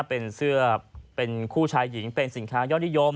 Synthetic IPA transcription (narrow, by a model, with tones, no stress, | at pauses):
pe˧nsɯ˥˩ɐəpe˧nkʰuː˥˩t͡ɕʰaː˧˥jːi˩˦ŋpe˧nsi˩˦nkʰaː˦˥jɔː˥˩t̚nʰ˩i˦˥˩jo˧m